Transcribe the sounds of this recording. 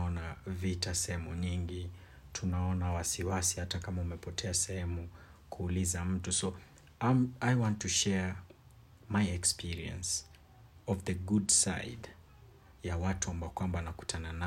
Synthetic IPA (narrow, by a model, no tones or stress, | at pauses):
ɔnavitasɛhɛmuɲiŋɡi | tʰunaɔnawasiwasihatakamaumɛpɔtʰɛasɛhɛmu | kʰuːlizam̩tuso | amajwɔ̃ntːuʃɛ | majɛkspiɾiɛ̰̃ns | ɔvðəɡudsa̰ɪd | jawatuambaɔkwambawanaku̥tʰanana